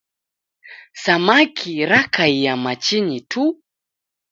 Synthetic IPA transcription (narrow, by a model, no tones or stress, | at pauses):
samakʰiɾakʰaijamat͡ʃinitʰu